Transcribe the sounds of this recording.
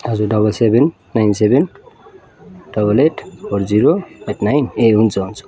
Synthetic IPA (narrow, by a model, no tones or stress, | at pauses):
ɦʌd͡zuɖʌbʌlsebʱenː | ajnseben | ɖ̥ʌbʌleʈpʰoɾd͡ziɾoeʈnajneɦunt͡sʰaɦunt͡sʰu̥